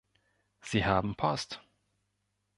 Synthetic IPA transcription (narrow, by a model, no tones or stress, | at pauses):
z̥iːhaːbm̩pʰɔst